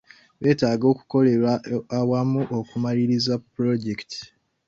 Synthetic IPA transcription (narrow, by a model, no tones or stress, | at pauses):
βe̞ːtaːɡo̞ːku̥ko̞le̞ɾaːwamuʔokumaliɾizapɾo̞ɟekti̥